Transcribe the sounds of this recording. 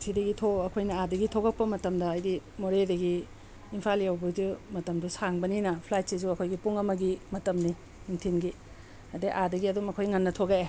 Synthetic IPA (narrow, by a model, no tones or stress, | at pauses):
sʰidɐɡitʰoɐkʰojnɐadɐɡitʰoɡɐk̚pɐmɐtɐmdɐːjdimoɾedɐɡiː | mpʰaliɐwbɐdumɐtɐmdusaŋbɐninɐpʰlaj̚sizuɐkʰojɡipuŋɐmɐɡimɐtɐmni | imtʰinɡi | ɐdeʔadɐɡiɐdumɐkʰojŋɐnːɐtʰoɡa